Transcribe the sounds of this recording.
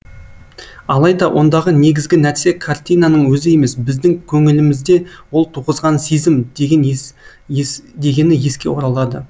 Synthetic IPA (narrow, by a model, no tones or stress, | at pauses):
ɑlˠɑjd̪ɑwʔo̞nd̪ɑʁəne̞ɡʲɪzɡʲɪnæɾse̞kʰart̪ʲijnanəɴwɵzɪje̞me̞sbɪzd̪ɪŋkʲʰɵŋɪlɪmɪzd̪e̞wo̞lˠt̪ʰuʁəzʁɑnsezɪmn | d̪e̞ɡʲe̞nɪje̞skʲe̞̰wo̞ɾɑlˠɑd̪ə